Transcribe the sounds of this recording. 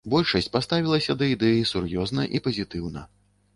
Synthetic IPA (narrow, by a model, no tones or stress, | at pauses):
bɔlʲʂɐsʲt͡sʲpast̪avʲilˠɐsʲɐd̪ɐid̪ɛjisurjɔznɐʔipɐzʲit̪ɨwnɐ̰